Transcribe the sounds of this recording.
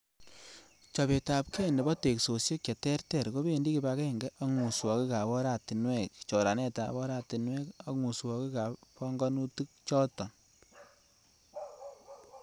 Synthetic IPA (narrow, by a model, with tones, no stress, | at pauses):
t͡ʃɔ˨βe˨ta˨p̚kʰɛ˦ndɛ˨bɔ˦te˨kso˨sje˦kt͡ʃe˨tɛ˦rtɛ˨ɾko˦be˦˨ndi˦ki˨ba˧kɛ˦ŋɡɛ˦ʔa˦ŋu˨swɔ˨ki˦ka˨βɔ˦ɾa˦˨ti˨nwɛ˦kt͡ʃɔ˨ɾa˨nɛ˦ta˨βɔ˦ɾa˦˨ti˨nwɛ˦ka˨ŋu˨swɔ˨ki˦ka˨pɔ˦ŋɡɔ˦nu˦tu˦k̚t͡ʃɔ˦tɔ˨n